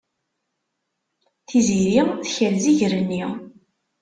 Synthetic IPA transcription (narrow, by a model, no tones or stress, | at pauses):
θiziɾiθçəɾziʝɾənːi